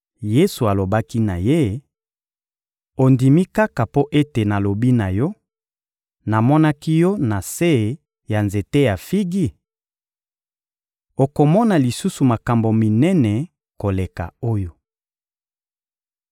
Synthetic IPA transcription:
je˦su˨a˨lo˨ba˦ki˦na˨je˦ | o˨ndi˨mi˦ka˦ka˨po˦ʔe˦te˨na˨lo˨bi˦na˨jɔ˦ | na˨mɔ˦na˦ki˦jɔ˦na˨se˦˨ | ja˨nze˨te˦ja˨fi˦ɡi˦˨ | o˨ko˨mɔ˦na˨li˨su˦su˨ma˨ka˨mbo˨mi˨nɛ˦nɛ˨ | ko˨le˨ka̰˨o˦jo˨

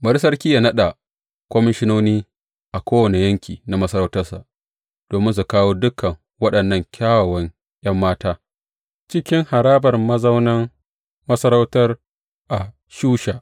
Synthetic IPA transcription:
bɐ˦ɽs̬ɐ˦rkʲi˦ja˨nɐ˦ɗa˨ | kʷɔ˦mɪ˦ʃɪ˦noː˦niː˦ | ʔa˨kʷoː˦wɐ˨ne˨jɐ˦ŋkʲiː˨na˨mɐ˦sɐ˦ɾa˦wtɐ˦rsa̰˨ʔ | d̥oː˨mɪ˦ns̬u˨kaː˦woː˦dʊ˦kːɐ˨ŋ | wɐ˦ɗɐ˨nːɐ˦˨ŋkʲʰaː˦wɐ˨wɐ˦ŋ | j̰ɐ˦mːaː˦taː˦ | t͡ʃɪ˦kʲɪ˦ŋha˨ɾaː˦bɐ˨rmɐ˦zɐ˦wnɐ˦ŋ | mɐ˦sɐ˦ɾa˦wtɐ˦r | ʔa˨ | ʃuː˦ʃaː˨ʔ

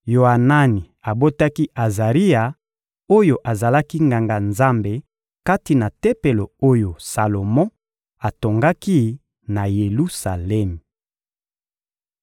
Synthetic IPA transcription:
jo˨a˨na˦ni˨ | a˨bo˦ta˦ki˦a˨za˨ʁi˦a˨ | o˦jo˨ʔa˨za˨la˦ki˦ŋɡa˨ŋɡa˨nza˦mbe˨ | ka˦ti˨na˨te˦pe˨lo˨o˦jo˨sa˨lo˨mɔ̃˦ | a˨to˨ŋɡa˦ki˦ | na˨je˨lu˦sa˨lɛ˦m˨

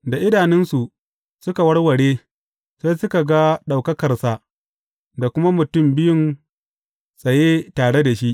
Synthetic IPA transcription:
da˨ʔɪ˦daː˨nɛ˦nsu˨ | sʊ˦ka˨wɐ˦rwɐ˨ɽeː˦ | sa˦jsʊ˦ka˨ɡa˦ɗa˨wkɐ˦kɐ˨rsa˨ | da˨kʷʊ˦ma˦mʊ˨tʊ˦˨mbɪ˦jʊ˦n | sʼɐ˨jeː˦taː˨ɽe˦da˨ʃi˦ʔ

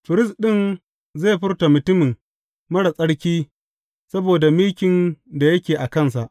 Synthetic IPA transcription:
ɸɪ˨ɾɪ˦sɗɪ˦˨n | ze˦˨ɸɪ˦rta˨mʊ˨tʊ˦mɪ˨ŋ | mɐ˦ɽa˨sʼɐ˦ɽkʲiː˦ | sɐ˦boː˨da˨miː˦kʲɪ˨nda˨jɐ˦kʲeː˨ʔa˨kɐ˦ns̬a˨ʔ

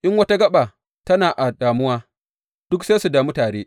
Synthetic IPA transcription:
ʔɪ˦ŋwɐ˦ta˦ɡɐ˦ɓa˨ | tɐ˦naː˨ʔa˨ɗaː˨mʊ˦waː˦ | d̥ʊ˦kse˦su˨da˨mu˦taː˨ɾeː˦

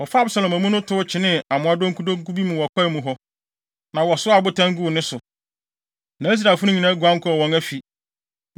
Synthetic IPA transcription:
wɔ˨fa˦bsa˨lɔ̃˨mæ̃˨mũ˦nʊ̃˦tʰʊ˦t͡ɕʰɪ˨nɪ̃˦a˨mʊ̃˨˦a˦do˦ŋ˦ku˦dõ˦ŋ˦ku˦bi˦mʊ̃˨wɔ˨kʰɔ˦˨mũ˨ɦɔ˦ | nã˨wɔ˨sʊ˦a˨bʊ˦tʰã˦ŋ˦ɡu˦˨nɪ̃˦sʊ˨ | nã˨˦s̬ɾa˨fʊ˦nʊ̃˦ɲĩ˨nã˦ɡʷã˦ŋ˦kʰɔ˦ɔ˨wɔ̃˨ŋæ˦fi˨

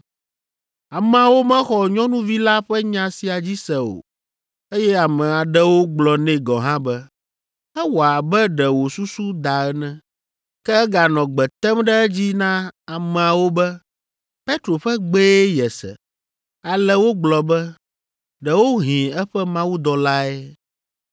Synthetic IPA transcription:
a˨mɛ̃˨a˨wo˦mɛ̃˦xɔ˨ɲɔ̃˦nũ˦vi˦la˦ɸɛ˦ɲã˨si˨a˨d͡ʑi˦sɛ˨o̰˨ | e˦jɛ˦a˨mɛ̃˨a˨ɖɛ˦wo˦ɡ͡blɔ˨nɛ̃˨ɡɔ̃˨ɦã˦bɛ˦ | ɛ˦wo˨a˨bɛ˦ɖɛ˨wo˨su˦su˦d̪a˨ɛ˦nɛ̃˦ | kɛ˦ɛ˦ɡa˨nɔ̃˨ɡ͡bɛ˨t̪ɛ˦mɖɛ˦ɛ˦d͡ʑi˦nã˦a˨mɛ̃˨a˨wo˦bɛ˦ | pe˦t̪ɾo˨ɸɛ˦ɡ͡be˦jɛ˨sɛ̰˨ | a˨lɛ˨wo˦ɡ͡blɔ˨bɛ˦ | ɖɛ˨wo˦ɦĩ˨ɛ˦ɸɛ˦mã˦wu˦d̪ɔ˨la˦ɛ˦

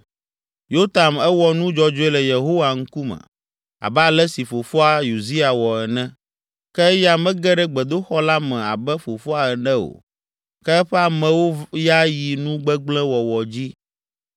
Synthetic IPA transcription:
jo˦t̪a˨mɛ˦wɔ˦nũ˦d͡ʒɔ˦d͡ʒo˦ɛ˦lɛ˨je˨ɦo˦wa˨ŋ̩˦ku˦mɛ̰̃˨ | a̰˨bɛ˦a˨lɛ˦si˨fo˨fo˦a˨ju˨zi˦a˨wɔ˨ɛ˨nɛ̃˦ | kɛ˦ja˦mɛ̃˦ɡɛ˦ɖɛ˦ɡ͡bɛ˨d̪o˦xɔ˦la˦mɛ̃˨a˨bɛ˦fo˨fo˦a˨ɛ˨nɛ̃˦o̰˨ | kɛ˦ɛ˦ɸɛ˦a˨mɛ̃˨wo˦ja˦ji˨nũ˦ɡ͡bɛ˦ɡ͡blɛ̃˦wɔ˨wɔ˨d͡ʑi˦

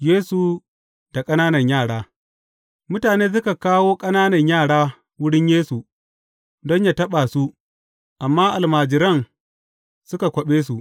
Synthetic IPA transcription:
jeː˦su˨ | d̥a˨kʼɐ˦naː˦nɐ˨ɲjaː˦˨ɽaː˦ | mʊ˦taː˨neː˦s̬ʊ˦ka˨kaː˦woː˦kʼɐ˦naː˦nɐ˨ɲjaː˦˨ɽaː˦ | wʊ˦ɽɪ˦ɲjeː˦su˨ | dɔ˦ɲja˨tɐ˦ɓaː˨su˦ | ʔa˨mːaː˦ʔa˨lmaː˨d͡ʒɪ˨ɾɐ˦ŋ | sʊ˦ka˨kʷɐ˨ɓeː˦s̬u˨ʔ

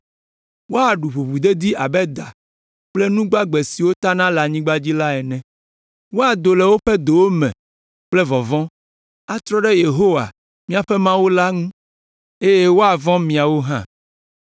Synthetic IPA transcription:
wo˦a˨ɖu˨ɸu˨ɸu˨d̪e˦d̪i˦a˨bɛ˦d̪a˨ | k͡plɛ˦nũ˦ɡ͡ba˦ɡ͡be˨si˨wo˦t̪a˦nã˦la˨ɲĩ˦ɡ͡ba˦d͡ʑi˦la˦ɛ˨nɛ̃˨ | wo˦a˨d̪o˨lɛ˨wo˦ɸɛ˦d̪o˨wo˦mɛ̰̃˨ | k͡plɛ˦vɔ˨vɔ̃˦ | a˨t̪ɾɔ˦ɖɛ˦je˨ɦo˦wa̰˨ | mĩ˦a˨ɸɛ˦mã˦wo˦la˦ŋũ˦ | e˦je˦wo˦a˨vɔ̃˦mĩ˨a˨wo˦ɦã̰˦

